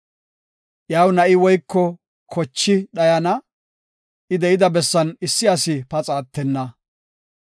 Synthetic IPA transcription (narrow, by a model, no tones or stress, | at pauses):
ʔjaːwnɐʔɪwɔjkːɔ | kʰɔt͡ʃːɪɗɐjɐnɐ | ʔɪd̪ɛjɪd̪ɐbɛsːɐnɪsːɪɐsɪpɐt͡sʼaːt̪ːɛnːɐ